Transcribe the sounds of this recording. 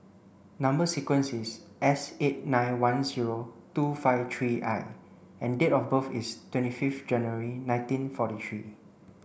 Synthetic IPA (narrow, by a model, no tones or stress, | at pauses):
nãmbəsikwə̃nsis | ʔɛset̚nãj̃nwãnziɹotufaɪftʰɹiʔa̰ɪ | ɛ̃ndetɔfbəfḭstwɛ̃ntififtd͡ʒɛ̃njuəɹinãj̃ntĩnfɔtitʰɹi